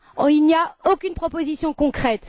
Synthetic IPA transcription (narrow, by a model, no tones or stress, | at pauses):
ilniaokʲynpχɔpozisjɔ̃kɔ̃kχɛt̪